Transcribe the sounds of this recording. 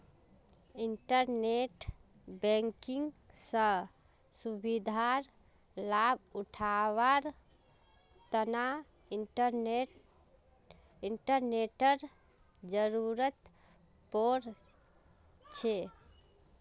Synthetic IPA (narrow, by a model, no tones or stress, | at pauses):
iɳʈəɾneʈ | bɛŋkiŋɡsə̃ | subid̪ʱaɾ | labuʈʰawaɾ | t̪əna | ɾ | iɳʈəɾneʈəɾ | d͡ʒəɾuɾət̪ | poɾ | t͡ʃʰe